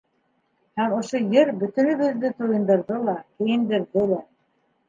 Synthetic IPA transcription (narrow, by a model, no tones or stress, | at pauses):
hæmŏʃojɘɾbɵ̆t̪ɵ̆nɵ̆βɘ̆ðːɘt̪ujɤ̆nd̪ɤ̆ɾðɤlˠɑkɘ̆jɘ̆nd̪ɘ̆ɾðɘlæ